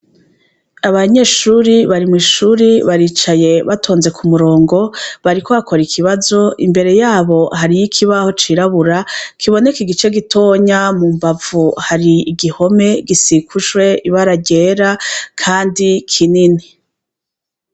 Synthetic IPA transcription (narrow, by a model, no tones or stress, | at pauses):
aβaɲe̞ʃuɾiβaɾimwiːʃuɾiβaɾiːt͡ʃaje̞βatʰo̞ːnze̞kʰumuɾo̞ːŋɡo̞βaɾikoβakʰo̞ɾikʰiβazo̞ʔḭmbe̞ɾe̞jaːβo̞ɦaɾijikʰiβaho̞t͡ʃiɾaβuɾakʰiβo̞ne̞kiɡit͡ʃe̞ɡitʰo̞ɲamumbavuhaɾiːɡiho̞me̞ɡisikʰuʃwe̞iβaɾaɟeɾakʰaːndikʰinini